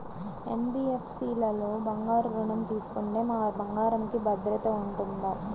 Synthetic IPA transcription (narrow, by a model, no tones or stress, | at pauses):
ḛmbiːefʰsiːlɐloːbɐŋɡaːɾuɾuɳɐmt̪iːsu̥kuɳɖeːmabɐŋɡaːɾɐmkibɐd̪ɾɐt̪ɐuɳʈund̪aː